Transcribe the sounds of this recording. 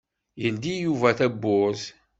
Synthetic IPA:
jənd̪ijuvæθæbːʊz

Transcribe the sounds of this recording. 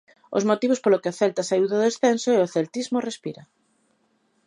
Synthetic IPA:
o̰zmot̪iβ̞ospolokeaθelt̪asajuðoðesθensoɛoθelt̪izmorespiɾɐ

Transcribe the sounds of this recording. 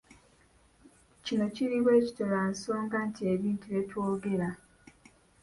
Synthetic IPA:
t͡ʃinot͡ʃiɾiwet͡ʃi̥toɾan̩soŋ̩ɡan̩tiebin̩tiɾetwoɡeɾa

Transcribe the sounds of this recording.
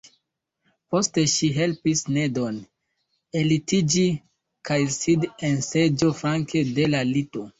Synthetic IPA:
po̞ste̞ʃiɦe̞lpisne̞do̞n | e̞litid͡ʒi | kajsidense̞d͡ʒo̞fɾaŋkʰe̞de̞lalito̞

